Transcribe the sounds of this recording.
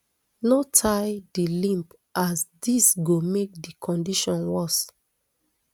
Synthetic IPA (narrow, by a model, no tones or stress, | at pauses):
notʰaɪdilĩmp | ʔasdisɡomek̚dikʰɔ̃ndiʃɔ̃nwɔs